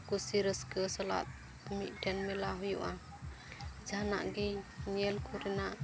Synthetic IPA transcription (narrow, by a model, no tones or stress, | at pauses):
kusiɾəskəsɔla̰t̪̚ | ɔmiʔ̚dɛnmɛlaɦujṵʔa | d͡ʒana̰ʔɡiniɛlkʰuɾɛna